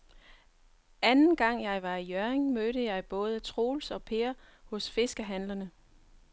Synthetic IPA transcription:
ænn̩ɡ̥ɑ̈ŋ̰jɑ̈ɪʋɑ̈ijœɐeŋmøːɾəjɑ̈ɪb̥ɔ̽ːð̞ˠət͡sʰʁo̝̰ːlsɒ̽pʰe̝ːɐhɔ̽sfe̝sɡ̥əɦænlɐnə

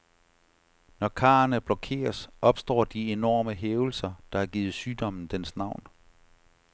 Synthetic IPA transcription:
nɒkʰɑ̰̈ːɐnəb̥lɒkʰe̝̰ːɐsʔɒ̽b̥sd̥ɒ̰ːd̥ie̝nɒ̰ːməɦeːʊl̩sɐd̥ɑ̈æɐɡ̥iːð̩ˠsyːd̥ɒ̽m̰n̩d̥ensnɑ̈ʊ̰n

